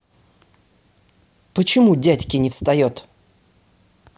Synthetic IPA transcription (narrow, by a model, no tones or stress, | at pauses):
pət͡ɕɪmudʲætʲkʲɪnʲɪfst̪ɐjot̪